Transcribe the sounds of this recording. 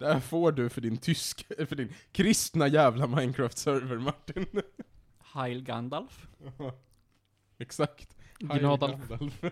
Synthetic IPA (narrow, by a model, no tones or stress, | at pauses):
d̪̥æfoːɖɵfœɖɪnt̪ʰʏskfœɖɪnkʰɾɪst̪najæːvlamaɪnkʰɾaːft̪sœɾvəɾmaʈːɪn | hajlɡand̪alf | ɛksakt̪ɡnod̪lf